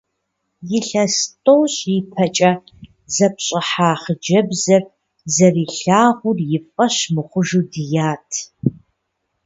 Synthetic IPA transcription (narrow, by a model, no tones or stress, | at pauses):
jɪɬɐstʼowɕʼipʰɐt͡ʃʼɐ | zɐpɕʼɪħaːχəd͡ʒɐbzɐr | zɐriːɬaːʁʷʊrjɪfʼɐɕmɨχʷʊʒudɨjaːtʰ